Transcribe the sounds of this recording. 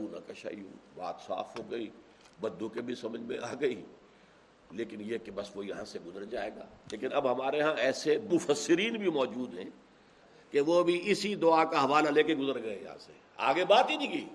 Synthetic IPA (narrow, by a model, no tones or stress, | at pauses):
ũnã̰kɐʃa̰ːḭṵ̃ːba̰ːt̪sa̰ːfɦoːɡəiː | bɐ̃nd̪õkebʱisɐməd͡ʒʱmḛ̃ʔaːɡəiː | leːkɪnjekebɐsʋojɐɦãseɡʊzəɾd͡ʒaːeːɡa̰ːleːkɪnɐbɦɐmaːɾeɦãɛːsemʊfəsːɪɾiːnbʱimɔːd͡ʒuːd̪ɦɛ̰̃ | keʋobʱiʔɪsid̪ʊakaɦɐʋaːlaleːkeɡʊzəɾɡɐejɐɦã̰se | a̰ːɡebaːt̪ɦinĩːkiː